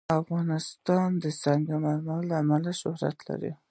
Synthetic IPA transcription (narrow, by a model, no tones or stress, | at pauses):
afɣɑnɪst̪ɑnd̪əsaŋɡamaɾmallaːmalaʃʊhɾa̰t̪la̰ɾḭ